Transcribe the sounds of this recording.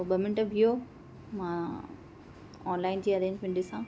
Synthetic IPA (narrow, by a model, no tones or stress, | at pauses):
ɓɐmɪnəʈbʱijo | mã | ɔːnlaːɪnd͡ʑiːɐɾẽːɲd͡ʑmẽɳɖɪsã